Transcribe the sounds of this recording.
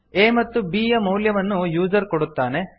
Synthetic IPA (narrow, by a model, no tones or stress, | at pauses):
eːmɐt̪ːubiːjɐmɐwljɐʋɐnːujuːd͡ʒɐɾkoɽut̪ːaːne̞